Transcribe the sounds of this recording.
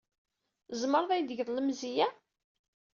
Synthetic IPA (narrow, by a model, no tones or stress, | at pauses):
zˤməɾˤðˤæjd̪əʝðˤləmzijæ